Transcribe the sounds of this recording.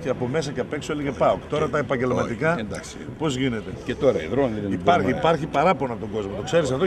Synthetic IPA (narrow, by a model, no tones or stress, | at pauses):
ceɐpo̞me̞s̬ɐceɐpe̞ksoeliɣepɐokt̪o̞ɾɐt̪ɐepɐɲɟe̞lmɐt̪ikɐend̪ɐksi | po̞zʝine̞t̪ecet̪oɾɐiðɾoniipɐɾçiːpɐɾçipɐɾɐponɐpot̪o̞ŋɡo̞zmo̞t̪o̞kse̞ɾisɐft̪o